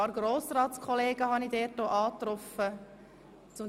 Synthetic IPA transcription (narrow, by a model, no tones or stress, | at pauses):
ɑːɾɡ̥ɾoːsɾɑːtt͡skʰχɔleːɡəɦɑnidɛːt̚ːoːʔɑːt̪ɾɔfə | t͡sʊm